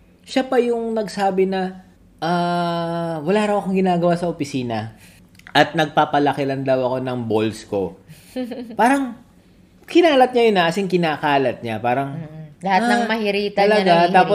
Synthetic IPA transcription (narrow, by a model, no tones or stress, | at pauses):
ʃapɐjʊŋnɐɡsaːbɪnɐ | ʔaː | wɐlaːɾɐwʔɐkoŋɡɪnaːɡɐwaːsɐʔopɪsiːnɐ | ʔɐt̪̚nɐɡ̚papɐlɐkɪɾɐnd̪ɐwɐko̞nɐŋbo̞lsko̞̰ | paːɾɐŋ | kɪnaːlɐt̪̚ɲajonɐʔɐsɪŋkɪnaːkaːlɐt̪̚ɲapaːɾɐŋlɐhat̪nɐŋmɐhɪɾiːt̪ɐɐlɐɡat̪aːppo